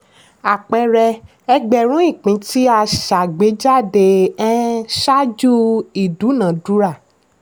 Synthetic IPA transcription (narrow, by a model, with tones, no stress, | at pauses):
a˨k͡pɛ˧ɾɛ˧ | ɛ˧ɡ͡bɛ˨ɾ̃ũ˨˦i˦˨k͡pĩ˨˦ti˦a˧˨ʃa˨ɡ͡be˨˦d͡ʒa˦˨de˧ɛ˦ʃa˦d͡ʒu˦i˨du˨˦nã˨du˦ɾa˦˨